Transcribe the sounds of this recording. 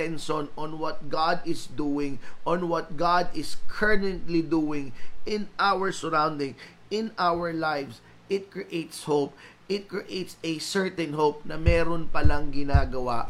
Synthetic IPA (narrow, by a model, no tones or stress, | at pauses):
ɛnʃonɔ̃nwɔt̪̚ɡad̪ɪsd̪uɪ̃ŋʔɔ̃nwɔt̪̚ɡad̪ɪskʰɛɹd̪ɛnt̪lid̪uɪ̃ŋɪ̃nʔawəɹsəɹãwnd̪ɪ̃ŋ | ɪ̃nawəɹlajfs | ʔɪt̪̚kɹiʔejt̪shop̚ʔɪt̪̚kɹiʔejt̪sɛsɛɹt̪ɛ̃nɦowp̚nɐmɛːɾonpɐlɐŋɡɪnaːɡɐwa